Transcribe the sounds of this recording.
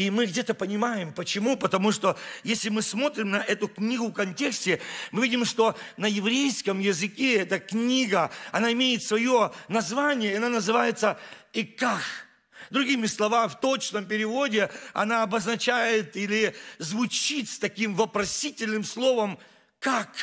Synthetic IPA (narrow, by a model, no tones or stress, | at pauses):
imɨɡdʲet̪əpənʲɪmajɪmpət͡ɕɪmupət̪ɐmuʂt̪ojesʲlʲɪmɨsmo̞t̪ɾʲɪmnɐʔɛt̪ʊknʲiɡʊfkɐnʲtʲe̞ksʲtʲɪmɨvʲidʲɪmʂt̪o̞nɐjɪvɾʲejskəmjɪzɨkʲeɛt̪əknʲiɡəɐnaɪmʲejɪt̪svɐjonɐzvanʲɪjəiɐnanəzɨvajɪt̪səikax | d̪ɾʊɡʲimʲɪslˠɐvamʲɪft̪o̞t͡ɕnəmpʲɪɾʲɪvo̞dʲɪɐ̰naɐbəznɐt͡ɕæjɪt̪ilʲɪzvʊt͡ɕit̪st̪ɐkʲimvəpɾɐsʲitʲɪlʲnɨmslˠo̞vəm | kak